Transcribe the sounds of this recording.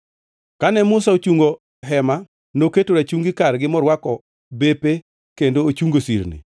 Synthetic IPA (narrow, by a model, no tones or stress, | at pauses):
kanɛmʊsaot͡ʃuŋɡo | ɦɛma | noketoɾat͡ʃuŋɡɪkarɡɪmɔɾwakɔ | bepe | kendoot͡ʃuŋɡosḭɾnḭ